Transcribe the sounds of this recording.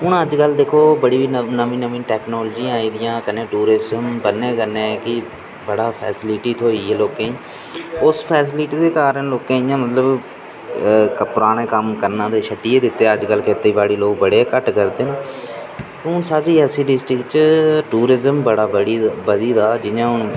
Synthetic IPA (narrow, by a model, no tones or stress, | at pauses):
ɦʊɳəd͡ʒkəld̪eːkʰːoːbəɽiːʋiːnəʋĩːnəʋĩːʈɛːknoːlːd͡ʒiːãaːiːd̪ɪjãːkənːẽːʈuːɾɪzəmbənːẽːkəɾnẽːkɪ | bəɽaːpʰɛ̰ːsɪlɪʈiːt̪ʰoːiːɦeːloːkẽːĩ | ʊspʰɛːsɪliʈiːd̪eːkaːɾənloːkẽːijãːmət̪ləb | kəpɾaːnẽːkəmkəɾnãːd̪eːʃʰəʈːiːeːd̪ɪt̪ːeːəd͡ʒkəlkɪt̪ːeiːbaːɽiːloːk̚bəɽeːkəʈkəɾd̪eːnaː | tʊnsaːɾiːɛsiːɖɪsʈɾɪkt͡ʃʈuːɾɪzəmbəɽaːbəɽiːbəd̪iːd̪aːd͡ʒɪãːʊn